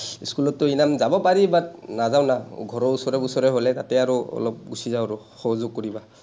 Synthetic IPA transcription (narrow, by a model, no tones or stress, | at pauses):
skulɔtːʊinamzabɔpaɹibat̚nazawnaɡʱɔɹɔusɔɹɛbusɔɹɛɦolɛtatɛaɹuɔ̰lɔp̚ɡusizaʊɹɔ | xɔɦɔzoɡ̚koɹiba